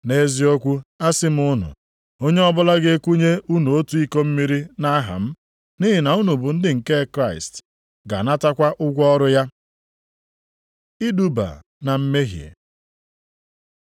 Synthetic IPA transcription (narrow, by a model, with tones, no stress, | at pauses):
ne˦zi˦o˦kʷu˦a˦sɪ˦m̩˦ʊ˦nʊ̰˨ | o˦ɲe˦ɔ˦bʊ˦la˦ɡe˦e˦kʷu˦ɲe˦u˦nu˨o˦tu˨i˦ko˦m̩˦mi˦ɾi˦na˦ɦa̰˨m̩˦ | ni˦ɦɪ˨na˨u˦nu˨bʊ˨n̩˦dɪ˦ŋ̩˨ke˦kɾa˦˨ɪ̰˨st | ɡa̰˨na˦ta˦kʷa˦ʔʊ˦ɡʷɔ˦ɾʊ˦ja˦ | i˦du˦ba̰˨ | na˨m̩˦me˦ɦjḛ˨